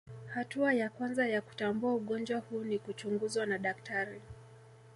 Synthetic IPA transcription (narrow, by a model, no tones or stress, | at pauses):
hatuajakwanzajaku̥tambuauɠɔnd͡ʒwahuːnikut͡ʃuŋɡuzwanaɗak̚taɾi